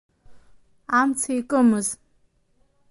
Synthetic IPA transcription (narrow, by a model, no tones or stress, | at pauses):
amt͡sʰajkʼɨmɨz